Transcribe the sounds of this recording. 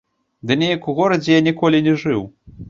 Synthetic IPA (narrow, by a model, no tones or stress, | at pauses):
d̪ɨnʲejɐkuɣɔɾɐd͡zʲɛjanʲikɔlʲinʲɛʐɨw